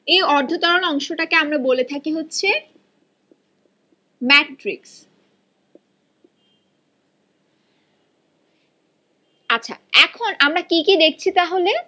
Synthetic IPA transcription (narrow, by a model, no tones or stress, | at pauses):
ejɔɾd̪ʱot̪ɔɾonɔŋʃoʈakeamɾabolet̪ʰakiɦotːɕʰe | mɛʈɾḭks | atːɕʰa̰ɛkʰonamɾakikid̪ek̚ʰt͡ɕʰit̪aɦole